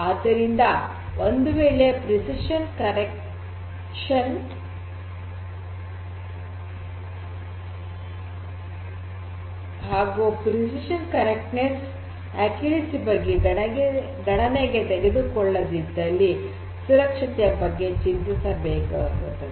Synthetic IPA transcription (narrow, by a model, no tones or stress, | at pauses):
aːd̪ɐɾind̪ɐ | ʔond̪uʋeːɭepɾisiʃɐnkɐɾek | ʂɐn | ɦaːɡupɾisiʃɐnkɐɾek̚ʈnes | ækjuʋisibɐɡːeɡɐe | ɡɐɳɐneːɡet̪eɡed̪ukɔɭːɐd̪id̪ɐlːi | suɾɐkʂɐt̪ɛjɐbɐɡːe̞t͡ʃint̪isɐbeːɡɐɐkɐ̰nt̪ːɐ